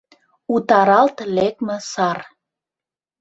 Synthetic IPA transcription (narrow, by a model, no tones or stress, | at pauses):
ut̪ɑɾɑlt̪lek̚mə̆sɑr